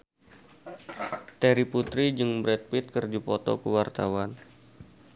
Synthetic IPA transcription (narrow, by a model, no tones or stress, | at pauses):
t̪ɛɾiput̪ɾid͡ʒɨŋbɾɛt̪̚pit̪̚kərd͡ʒupɔt̪ɔ̰kuwart̪awan